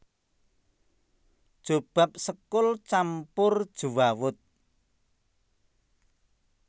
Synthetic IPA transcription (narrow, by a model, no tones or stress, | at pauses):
d̥ʒ̥o̤b̥a̤p̚səkʊlt͡ʃampʊrd̥ʒ̥uwawʊt̪̚